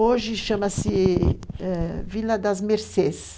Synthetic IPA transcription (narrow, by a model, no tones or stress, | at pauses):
oʒɪʃɐ̃mɐsɪ | ɛvilɐd̪ɐzmeɾses